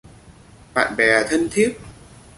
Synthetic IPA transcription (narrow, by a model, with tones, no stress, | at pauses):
ɓa̰ː˧˨nɓɛ˨˩t̪ʰə˧nt̪ʰi˦˥əp̚